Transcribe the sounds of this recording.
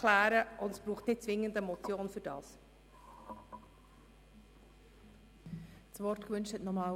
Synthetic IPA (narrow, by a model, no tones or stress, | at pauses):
læːɾəʔʊndɛsb̥ɾuːχtnɪt̚t͡svɪŋːəndəmɔt͡sjoːnfʏɾd̥ɑ̰ːs | svɔrtkvʏnʃthɛtnɔmɑː